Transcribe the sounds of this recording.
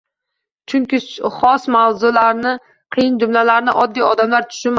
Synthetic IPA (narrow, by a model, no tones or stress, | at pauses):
t͡ʃʰʊŋkʲɪχɒsmawzʊlaɾnɪ | qʰɨjɪnd͡ʒʊmlalaɾnɪ̰ʔɒd̪ːijɒd̪amlaɾt̪ʰʊ̥ʃɪma